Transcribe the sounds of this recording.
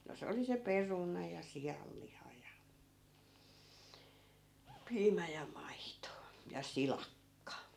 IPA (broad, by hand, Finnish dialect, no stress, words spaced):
no se oli se perunɑ jɑ sijɑlːihɑ jɑ piːmæ jɑ mɑito jɑ silɑkːɑ